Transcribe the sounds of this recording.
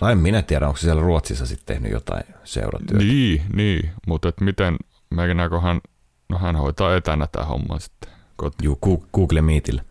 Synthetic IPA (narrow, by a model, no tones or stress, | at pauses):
nɑemminæt̪iæɾæoŋkssiælæruot̪sisːɑsit̪t̪ḛhny̰jo̰t̪ɑ̰ĩsḛuɾɑ̰t̪yːniːniːmut̪et̪mit̪en | menæːkohæn | nohænhoit̪ɑːet̪ænæt̪æ̰ho̰mːɑ̰nsi̥t̪ːe̥ | kot̪juːkuːɡ̥uːklemiːt̪ilː